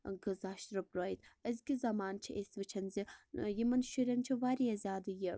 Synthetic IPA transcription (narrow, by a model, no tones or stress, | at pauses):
ɡɨzaːʃt̪ɾɐbɾoːjt̪ɐzɡʲizɐmaːnt͡ʃʰiʔesʋɨt͡ʃʰɐnzijimɐnʃiɾʲɐnt͡ʃʰiʋaːɾijɐzʲaːd̪ɨji